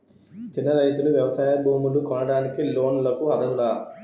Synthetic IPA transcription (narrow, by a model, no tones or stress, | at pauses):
t͡ʃinːɐɾɐjt̪uluʋjɐʋɐsaːjɐbʱuːmulukɔnɐɽaːnikilo̞ːnlɐkuɐd̪ʱɐɡulaː